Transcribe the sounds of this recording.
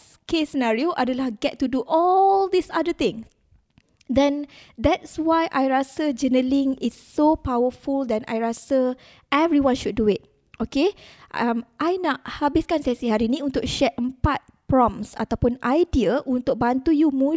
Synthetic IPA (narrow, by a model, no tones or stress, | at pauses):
kesənaɹioʔadalahɡɛtːuduʔɔld̪isadət̪ɪ̃ŋs | dɛ̃nd̪ɛt̚swajʔajɹasəd͡ʒənəlĩŋɪsːopawəfuld̪ɛta̰jɹasə | ʔɛvɾiwãnʃud̚ːuɪt̚ | okeamʔajnaʔhabɪskansasiɦaɾinĩũnt̪ʊk̚ʃɛʔ̚əmpat̪̚pɹɔ̃msa̰t̪awpʊnajdiəʔunt̪ʊk̚bant̪ujumũ